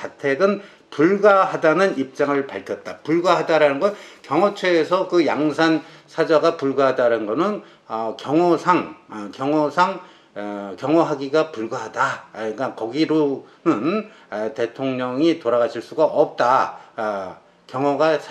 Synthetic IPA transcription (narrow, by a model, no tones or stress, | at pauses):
atʰe̞ɡɯn | puɭɡwahadanɯnip̚t͡ɕ͈aŋɯɭpaɭkʰjʌt̚t͈apuɭɡwaɦadaɾanɯnɡʌnkjʌŋwʌt͡ɕʰweːsʰʌkɯjaŋsʰansʰad͡ʑʌɡapuɭɡwaɦadaɾanɡʌnɯn | ʌkjʌŋosʰaŋkjʌŋʌsʰaŋ | kjʌŋoɦaɡiɡapuɭɡwaɦadaik͈akʌɡiɾonɯn | te̞tʰoŋɲʌŋitoɾaɡaɕʰiɭs͈uɡaʔʌp̚t͈a | kjʌŋwoɡasʰ